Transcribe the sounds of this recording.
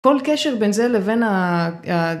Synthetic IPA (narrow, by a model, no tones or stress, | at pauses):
ko̞lkeʃeʁbenzelevenaa